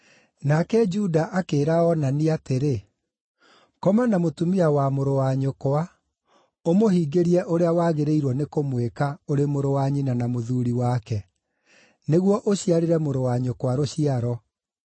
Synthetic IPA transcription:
nakɛd͡ʒudaʔakeːɾaɔnaniateɾe | kɔmanamotumiawamoɾowaɲokoa | omohiːɡeɾiɛʔoɾeawaːɣeɾeiɾwɔnekomwekaoɾemoɾowaɲinanamoðuɾiwakɛ | neɣwɔʔoɕiaɾeɾɛmoɾowaɲokowaɾoɕiaɾɔ

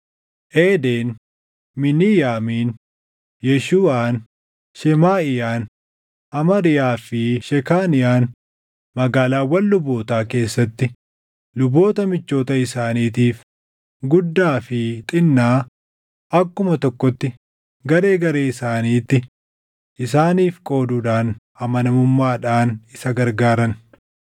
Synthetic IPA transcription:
ʔeːd̪eːn | mɪniːjaːmiːn | jɛʃuːaːn | ʃɛmaːɪjaːn | ʔɐmɐɾɪjaːfɪʃɛkaːnɪjaːn | mɐɡaːlaːwːɐnlʊboːt̪aːke̞ːsːɐt̪ːɪ | lʊbo̞ːt̪ɐmɪt͡ʃːo̞ːt̪ɐɪsaːniːt̪iːf | ɡʊd̪ːaːfɪt̪ʼɪnːaː | ʔɐkːʊmɐt̪ɔkːɔt̪ːɪ | ɡɐɾe̞ːɡɐɾe̞ːɪsaːniːt̪ːɪ | ʔɪsaːniːfkʼo̞ːd̪uːᶑaːn | ɐmɐnɐmʊmːaːᶑaːnɪsɐɡɐɾɡaːɾɐn

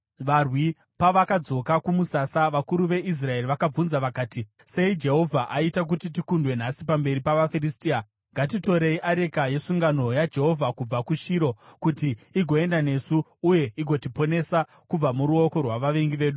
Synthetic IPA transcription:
ʋarwi | paʋakad͡zo̞kakumusasaʋakuɾuʋe̞ʔis̬rae̞riʋakab͡vunzaʋakaːti | se̞id͡ʒe̞ɦo̞vʱaʔaitak̬utit̬ikundwe̞n̤asipambe̞ɾipaʋafiristiːa | ŋɡatito̞ɾe̞iʔaɾe̞kaje̞suŋɡano̞jad͡ʒe̞ɦo̞vʱakub͡vakuʃiːɾo̞kutiːɡʱo̞e̞ndane̞suːje̞iɡʱo̞tipo̞ne̞sa | kub͡vamuɾuo̞ko̞rwaʋaʋe̞ŋɡiʋe̞ːɗu

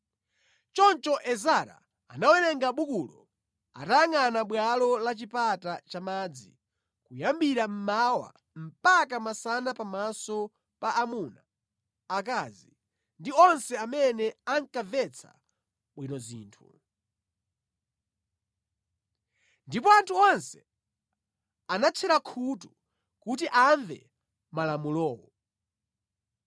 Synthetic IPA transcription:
t͡ʃɔnt͡ʃɔʔɛzaɾa̰ | anawɛnɛŋɡaɓukulɔ | a̰taaŋanaɓwalɔlat͡ʃipatat͡ʃamaːd͡zi | kujambiɾam̩mawa̰ | m̩pakamasanapamasɔ | paʔːmunaː | k̬azi | ndiɔnsɛamɛnɛaŋkavɛt͡sʰa̰ | ɓwinɔzḭːntʰu | ndipɔantʰuɔnsɛ̥ | anat͡ʃʰɛɾakʰutu | kut̬iʔaɱvɛ̰ | malamulɔːwɔ

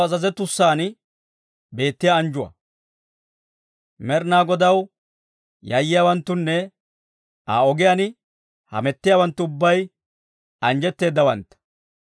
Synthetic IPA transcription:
ɐzɐzɛt̪ʊsːaːn | be̞ːt̪ːɪjaːnd͡ʒʊwɐ̰ | mɛɾnaːɡɔd̪ɐw | jɐjːɪjaːwɐnt̪ːʊnːɛ | a̰ːɔɡɪjanɪ | hɐ̰mɛt̪ːɪjaːwɐnt̪ːʊʊbːɐj | ɐnd͡ʒɛt̪ːe̞ːd̪ːɐwɐnt̪ːɐ̥

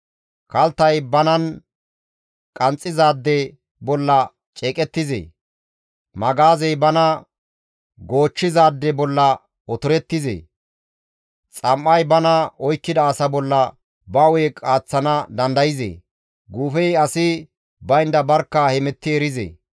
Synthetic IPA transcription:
kɐlt̪ːɐjbɐnɐn | kʼɐnt͡sʼːɪzaːd̪ːɛ | bɔlːɐ | t͡ʃʼeːkʼɛt̪ːɪzḛː | mɐɡaːzɛjbɐnɐ | ɡo̞ːt͡ʃːɪzaːd̪ːɛbɔlːɐ | ɔt̪ʊɾɛt̪ːɪzḛː | t͡sʼɐmːɐjbɐnɐɔjkːɪd̪ɐːsɐbɔlːɐ | bɐweːkʼaːt͡sːɐnɐd̪ɐnd̪ɐjɪzḛː | ɡuːfɛjɐsɪ | bɐjɪnd̪ɐbɐɾkːɐhɛmɛt̪ːɪɛɾɪzḛː

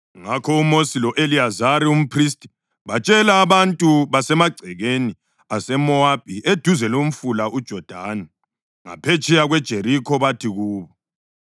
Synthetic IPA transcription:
ŋakʰɔumosilɔʔeliazaɾium̩pʰris̬tʼi | βat͡ʃʼɛlaːβantʼuβasɛmaɡ͡ǀʱɛɣeni | asɛmɔab̥̚ʱʼied̥ʱuzɛlom̩fulaʔud̥ʒ̥ʱɔd̥ʱaːnɛ | ŋa̰pʰet͡ʃʼʰɛjaɣwɛd̥ʒ̥ʱeɾikʰɔβatʰiɣuːβɔ

